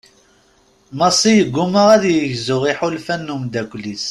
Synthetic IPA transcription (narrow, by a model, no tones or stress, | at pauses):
mɑsˤːijəɡːuməʁæðjəʝzʊʁiħulfænːumd̪ækʷːlis